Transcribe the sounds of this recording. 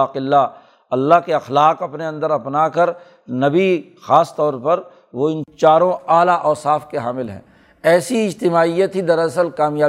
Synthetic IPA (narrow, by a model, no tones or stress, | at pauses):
qɪlːa | ɐlːaɦkeɐxlaːqɐpneɐ̃nd̪əɾɐpnakɐɾ | nɐbi | xaːst̪ɔːɾpɐɾ | ʋoɪnt͡ʃaːɾõaːlaʔɔːɾsaːfkeɦaːmɪlɦɛ̰̃ː | ɛːsiɪd͡ʒt̪ɪmaːijət̪ɦid̪ɐɾɐsəlkaːmjaː